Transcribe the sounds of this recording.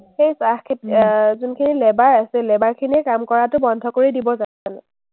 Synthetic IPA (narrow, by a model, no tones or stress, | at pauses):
xejsaxkʰetzʊnkʰinilɛbaɹasɛlɛbaɹkʰiniɛkamkɔɹatʊbɔndʱɔkoɹidibɔza | anɛ